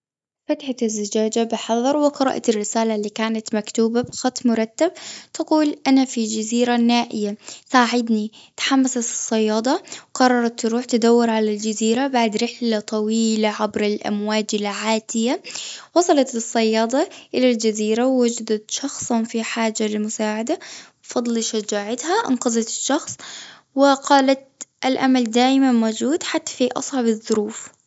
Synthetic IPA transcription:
fat̪ħaɪzːɪd͡ʒaːd͡ʒabɪħɑðˤɑɾˤwɪqɑɾˤɑ̰ːʔt̪ɪrːɪsaːlalːiːkaːnat̪makt̪uːbabxɑt̪ˤːmʊɾˤɑt̪ːab̚t̪ɑquːlʔanafid͡ʒaziːɾanaːʔɪjasaːʕɪd̪nit̪ħamːasat̪ɨ̥sˤːɑjːɑːd̪ˤɑwqɑrˤːɑɾˤɑt̪ːɾuːħt̪ɪd̪awːɪɾʕalald͡ʒaziːɾabaʕd̪ɾɪħlat̪ˤɑwiːlaʕabɾɪlʔa̰mwaːd͡ʒɪlʕaːt̪ɪjawɑsˤɑlɑt̪ɨsˤːɑjːɑːd̪ˤɑʔɪlald͡ʒaziːɾawːʊd͡ʒad̪at̪ʃɑxsˤɑnfiħaːd͡ʒalɪlmʊsaːʕad̪ab̥fɑd̪ˤlʃad͡ʒaːʕat̪haʔɪ̰nqɑzˤɑt̪ɪʃːɑxsˤ | wɪqɑːlat̪ʔalʔa̰mald̪aːʔɪmanmoːd͡ʒuːd̪ħat̪ːḁfiʔɑ̰sˤʕɑbɪðˤːʊɾuːf

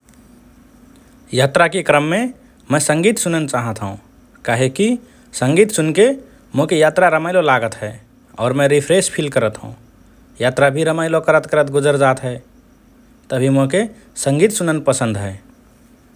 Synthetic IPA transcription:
jaːt̪ɾakekɾəmːẽ | mɛ̃sə̃ŋɡiːt̪sʊnənt͡ʃaːɦət̪ɦṵ̃ | kaɦeki | sə̃ŋɡiːt̪sunke | mokejaːt̪ɾaɾəmaɪlolaɡət̪ɦɛ | ɔːɾmɛ̃ɾipʰɾespʰilkəɾət̪ɦṵ̃ | jat̪ɾabʱiɾəmaːɪlokəɾət̪kəɾət̪ɡʊd͡ʒəɾd͡ʒaːt̪ɦɛ | t̪əbʱimoke | sə̃ŋɡiːt̪sʊnənpəsə̃nd̪ɦɛː

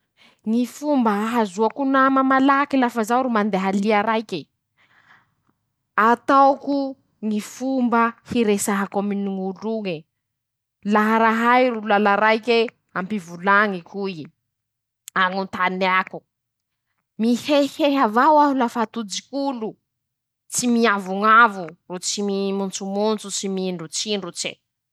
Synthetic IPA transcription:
ŋifumbaɦazuakunamamalakilafazawɾumand̪eɦaliaɾajke | at̪awku | ŋifumbahiɾesaɦakaminuŋuluŋi | laɦaɾaɦajɾulalaɾajke | ampivulaŋikui | aŋunt̪aniaku | miheheɦavawaɦulafat̪ud͡zikulu | t͡simiavuŋavurut͡simimunt͡sumunt͡sut͡simiɳɖ͡ʐut͡siɳɖ͡ʐut͡ʃḛ

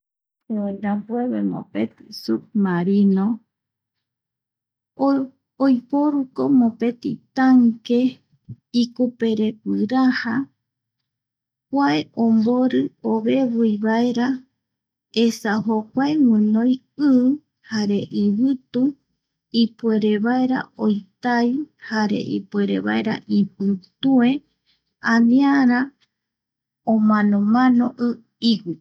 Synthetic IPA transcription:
eẽnabweβemõ̰pḛt̪i̥sub̚maɾinõ | ojpoɾukomõpe̞t̪ḭt̪aŋke | ikupeɾepɨɾaha | kʷaeʔõmboɾɨoβeβɨjβaeɾa | esaɦokʷaewɨ̃nõj | ɨː | haɾe̞ʔiβɨt̪u | ipwe̞ɾeβaeɾa̰ojt̪ajhaɾe̞̰ʔḭpweɾḛβa̰eɾa̰ʔipɨt̪ue̞ | ãnĩaɾa | õmãnõmãnõʔɨ | iwi

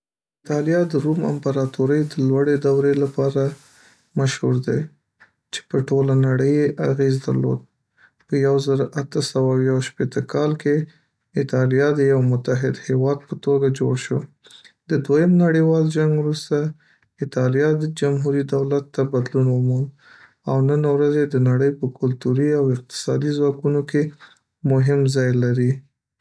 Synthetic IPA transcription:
ɪt̪ɑlijɑd̪əɾuma̰mpaɾɑt̪uɾəjd̪əlwaɽed̪awɾelapɑɾa | maʃhuɾd̪ḛ | t͡ʃe̥pəʈolanaɽəjeʔaɣezd̪ə̰ɾlo̰d̪̚ | pəjawzəɾoʔat̪əsawawjaʃpet̪əkʰɑlke | ɪt̪ɑlijɑd̪əjawmʊt̪aɦɪd̪hewɑd̪̚pət̪oɡad͡ʒoɽʃo | d̪̥əd̪wajəmnaɽəwɑld͡ʒaŋɡwɾust̪a | ɪt̪ɑlijɑd̪əd͡ʒamɦuɾid̪awlat̪ːabad̪lunwəmɑn | awnənawɾazed̪ənaɽəjpəkʊlt̪uɾiawɪq̚t̪ɪ̥sɑ̰d̪izwɑkunoke | mʊɦɪmzɑjlaɾi

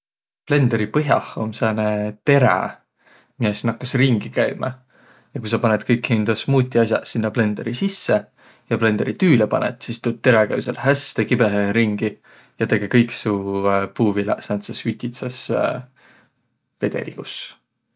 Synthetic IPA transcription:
ple̞nd̪̥eɾipɤɦjɑ̰ho̰mseːnet̪e̞ɾḛ | miesnɑkːɑsriŋɡ̥ikæjmɑ̰ | jɑkujsɑpɑned̪kɤjkhind̪̥ɑsmuːt̪ʲːˑiɑsjɑ̰sinːɑple̞nd̪̥e̞ɾisisːe | jɑple̞nd̪eɾit̪yːlepɑ̰net̪sist̪ut̪̚t̪ːe̞ɾekæ̰jwselhæst̪ekibeɦeɾiŋɡ̥i | jɑt̪e̞ɡ̥ekɤjksupuːvilæsɑnt̪sɑsyt̪ʲit̪sɑs | ve̞d̪̥e̞̰lḭɡ̥us

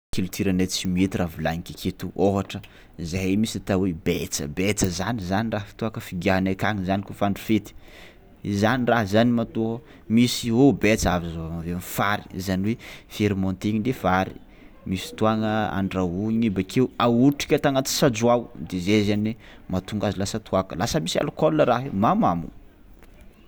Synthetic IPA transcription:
kilut̪ʰiɾanet͡simiet̪iravilaɲikʲakʰet̪uoɦaʈ͡ʂə | izajmisit̪awebet͡sə̰bet͡səzanizaniraɦfi̥t̪uakəfiɡʲaɦanakaŋizanikufaɳɖ͡ʐufet̪i̥ | izaniraɦzanimat̪oɦə | misiobet͡savizaamaveanfaɾi̥zaniwefiɾmɔnt̪iɲid̪efaɾḭ | misi̥t̪uaŋəa̰ɳɖ͡ʐauɲɲibakʰewauʈ͡ʂi̥kʲat̪aŋat̪i̥sad͡zuawd̪ezezanwemat̪uŋɡazilasət̪ʰuakəlasəmisa̰lukolːəɾaɦemamamṵ

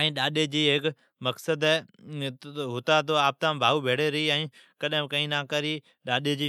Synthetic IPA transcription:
əĩːɗaːɗeːd͡ʑiːɦɪk | məksəd̪ | ɦʊt̪aːt̪̬oːaːp̚t̪ãːbʱaːuːbʱeːɽeːɾəiːə̃ĩː | kəɗɪ̃kə̃ĩːnãːkəɾiː | ɗaːɗeːd͡ʑiː

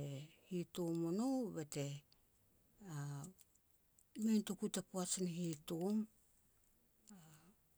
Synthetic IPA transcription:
ehitomonobete̞ | a | mentukutapuat͡ʃanɦitom | a

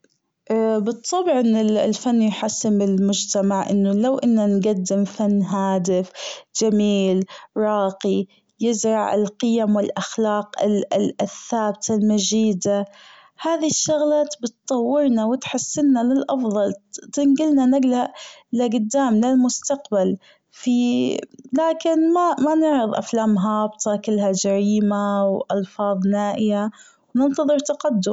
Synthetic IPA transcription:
ʔbɨt̪ˤːɑbʕʔɪnːɪllfanːjħasːɪmbɪlmʊd͡ʒt̪amaʕʔɪ̰nːʊlawʔɪnːanɡad̪ːɪmfanːɦaːd̪ɪfd͡ʒamiːlɾˤɑːqi | jɪzɾˤɑʕɪ̰lqɪjamwɪlʔaxlɑːqɪ̰llʔθːaːb̚t̪ʰalmad͡ʒiːd̪a | haːðiʃːʊɣlat̪bɪt̪t̪ˤɑwːɪɾnawɪt̪ħɪsːɪnːalɪlʔɑfðˤɑlt̪ɪnɡɪlnanɪɡlaʔlɪɡʊd̪ːaːmlɪlmʊst̪aqbal | fi | laːkɪnmamanɪʕɾɨðˤʔa̰flaːmɦɑːbt̪ʰˤɑkɪlːɦad͡ʒaɾiːmawʔɑlfɑːðˤnaːʔɪja | wnɪnt̪ɑðˤɨɾt̪aqad̪ːʊm

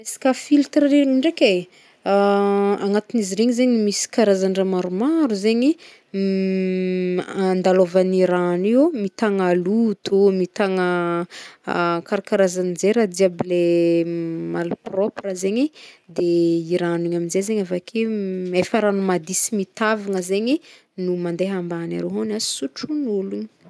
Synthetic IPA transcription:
esi̥kʲafilt̪ɾəɾeiɳɖ͡ʐekʲe | aŋat̪iniziɾeɲizeɲimisi̥kaɾazaɳɖ͡ʐamaɾumaɾuzeɲi | nd̪alovaniɾanemit̪aŋalut̪umit̪aŋə | kaɾakaɾazanzeɾad̪iable | maluproprəzeɲid̪eiɾaniɲaminzezeɲavakʰeefaɾanumad̪isimit̪avaŋəzeɲi | numand̪eɦambana̰ɾeɦanazi̥suʈ͡ʂunuluɲi

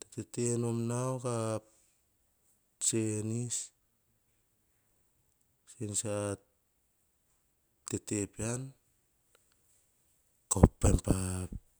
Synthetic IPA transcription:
tetetenomnawkap | t͡ʃenis | sensa | tetepian | kopːempap

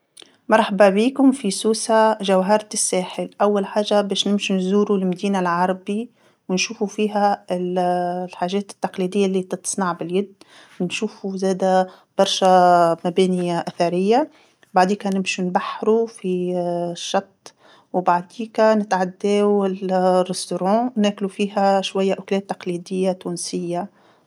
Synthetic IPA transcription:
mɑɾˤħababiːkʊmfisuːsaʒawɦɑɾˤt̪ɪsːɛːħɪlʔæwːalħaːʒabɛːʃnɪmʃinzuːɾulmd̪iːnalʕɑɾˤɑbi | wnʃuːfufiːɦæɪlħaːʒɛːt̪ɪ̥t̪ːɑqliːd̪ɪjːalːiːt̪ɨt̪sˤnɑʕbɪljɪd̪ː | wnʃuːfuzɛːd̪æ | b̥ɑɾˤʃæmæbɛːniʔæθɑɾɪjːa | baʕd̪iːkænɪmʃunbaħːɾufiʃːɑt̪ˤː | wbaʕd̪iːkænɪt̪ʕad̪ːɛːwɪrːɪst̪oɾɑ̃ːnæːklufiːɦæʃwæjːaʔʊklɛːt̪ːɑ̥qliːd̪ɪjːat̪uːnsɪjːa

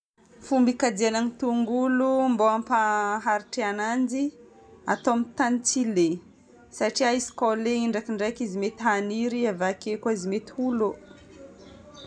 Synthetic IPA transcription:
fumbikad̪ianaŋit̪uŋɡulumboampaɦaɾiʈ͡ʂeanand͡ʒi | a̰t̪omit̪anit͡sile | saʈ͡ʂiaisi̥koleiɳɖ͡ʐakiɳɖ͡ʐajkizimet̪iɦaniɾiavakekaizimet̪ulu

